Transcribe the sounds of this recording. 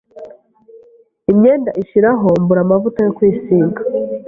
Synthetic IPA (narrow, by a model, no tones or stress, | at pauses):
imɲe̞ːndaʔiʃiɾaɦo̞mbuɾamavutajokwiːsiːŋɡḁ